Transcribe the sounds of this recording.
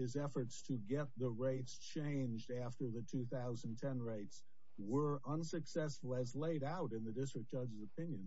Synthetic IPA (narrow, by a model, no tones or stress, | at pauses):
ɨzɛfə˞tstʰɨɡɛt̪̚ðəɹeɪtst͡ʃʰẽɪ̃nd͡ʒdæftə˞ðɨtʰʉθaʊzə̃n̩tʰɛ̃nɹeɪts | wə˞ʔʌ̃nsɨksɛsfl̩ˠɨzleɪɾaʊɾɨ̃nðɨdɪstɹ̥ɨk̚d̥ʒ̥ʌd͡ʒɨzəpʰɪ̃njɨ̃n